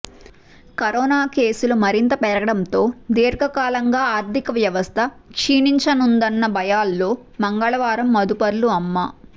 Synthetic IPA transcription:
kɐɾɔːnaːke̞ːsulumɐɾint̪ɐpɛɾɐɡɐɽɐnt̪o̞ːd̪eːɾɡɐkaːlɐŋɡaːaːɾd̪ʱikɐʋjɐʋɐst̪ʰɐ | kʂiːniɲt͡ʃɐnund̪ɐnːɐbɐjaːlːo̞ː | mɐŋɡɐɭɐʋaːɾɐmːɐd̪upɐɾluɐmːɐ

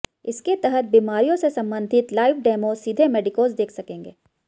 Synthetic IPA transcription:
ɪsket̪əɦət̪̚biːmaːɾijõsesɐ̃mbə̃nd̪ʱɪt̪laːɪʋɖeːmosid̪ʱemeːɖɪkoːzd̪eːkʰsɐkẽːŋɡeː

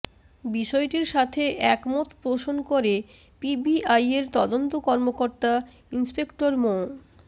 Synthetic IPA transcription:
biʃɔeʈiɾʃat̪ʰeʔɛkmot̪pɾoʃonkoɾe | pibiʔajeɾt̪ɔd̪ont̪okɔɾmokoɾt̪a | inspekʈoɾmo

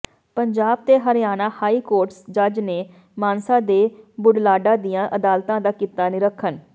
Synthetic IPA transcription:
pəɲd͡ʒaːb̚t̪eːɦəɾjaːnaːhaːiːkoːɾʈsd͡ʒəd͡ʒneː | maːnsãːd̪eːbʊɖlaːɖãːd̪ijãːʔəd̪aːlt̪ãːd̪aːkit̪ːaːnɪɾəkʰːən

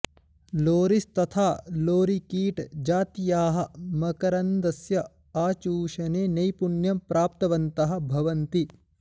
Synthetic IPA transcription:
loːɾist̪ɐt̪ʰaːloːɾikiːʈd͡ʒaːt̪ijaːɦɐ̆mɐkɐɾɐnd̪ɐsjɐ | aːt͡ʃuːʃɐneːnɐjpuɳjɐmpɾʔaːp̚t̪ɐʋɐnt̪ɐɦɐ̆bʱɐʋɐnt̪i

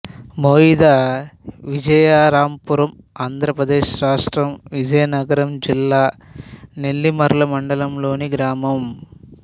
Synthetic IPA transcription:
moːid̪aːʋid͡ʒɐjaːɾaːmpuɾɐm | aːnd̪ʱɾɐpɾɐd̪eːʃɾaːʂʈɾɐmʋid͡ʒɐjɐnɐɡɐɾɐmd͡ʒilːaːne̞ɭːimɐɾulɐmɐɳɖɐlɐmloːniɡɾaːmɐm

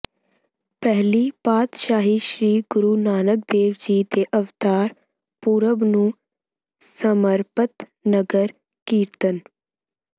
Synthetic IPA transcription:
pɛɦlipaːt̪ʃaːɦiʃɾiːɡʊɾuːnaːnək̚d̪eːʋd͡ʒiːd̪eʔəʋt̪aːɾ | puːɾəbnũː | səməɾpət̪nəɡəɾ | kiːɾt̪ən

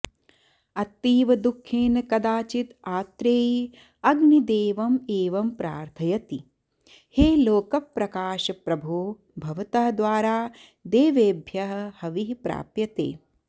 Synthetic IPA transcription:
ɐt̪ːiːʋɐd̪ukʰːeːnɐkɐd̪aːt͡ʃit̪aːt̪ɾeː | ɐɡnid̪eːʋɐmeːʋɐmpɾa̰ːɾt̪ʰɐjɐt̪i | heːloːkɐpɾɐkaːʃɐpɾɐbʱuː | bʱɐʋɐt̪ɐɦɐd̪ʋaːɾaː | d̪eːʋeːbʱjɐɦɐ̆hɐʋiɦpɾa̰ːpjɐt̪ḛː

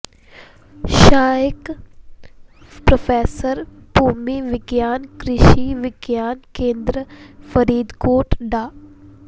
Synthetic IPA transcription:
ʃaːɪk | pɾɐfeːsəɾpuːmiʋɪɡjaːnkɾɪʃiʋɪɡjaːnkẽːnd̪ɾəfɐɾiːd̪koːʈɖaː

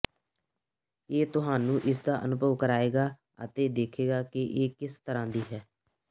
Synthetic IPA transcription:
eːt̪ʊɦaːnũːʔɪs̬d̪aːʔənʊbʱəʋkəɾaːeːɡaː | ə̰t̪eːd̪eːkʰeːɡaːkɪʔeːkɪst̪əɾãːd̪iːɦɛː

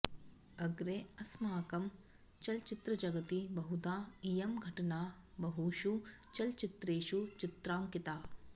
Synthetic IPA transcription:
ɐɡɾeɐsmaːkɐm | t͡ʃɐlt͡ʃɪt̪ɾɐd͡ʒɐɡɐt̪ibɐɦud̪aːijɐmɡʱɐʈɐnaː | bɐɦuːʃut͡ʃɐlt͡ʃɪt̪ɾeːʃut͡ʃɪt̪ɾaːmkɪt̪aː

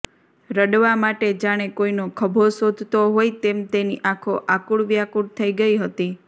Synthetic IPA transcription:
ɾəɖʋamaʈed͡ʒaɽ̃ekoinokʰəbʱosod̪ʱt̪oɦojt̪emt̪eniʔakʰoʔakuɽʋjakuɽt̪ʰəiɡəiɦət̪i

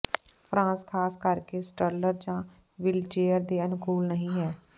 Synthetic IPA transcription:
pɾãːskʰaːskəɾkeːsʈələɾd͡ʒãː | ʋɪlt͡ʃeːəɾd̪eːənʊkuːlnəɦĩːɦɛː

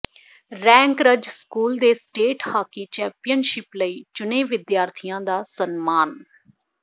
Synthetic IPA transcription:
ɾɛ̃ːŋkɾəd͡ʒskuːld̪eːsʈeːʈhaːkiːt͡ʃɛ̃ːmpɪjənʃɪpləiːt͡ʃʊneːʋɪd̪jaːɾt̪ʰijãːd̪aːsənmaːn

